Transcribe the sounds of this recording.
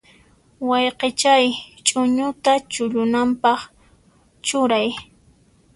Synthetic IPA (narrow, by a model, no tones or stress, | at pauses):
wɑjqet͡ʃajt͡ʃʼʊɲʊt̪at͡ʃʊʎʊnampɑχ | t͡ʃʊɾaj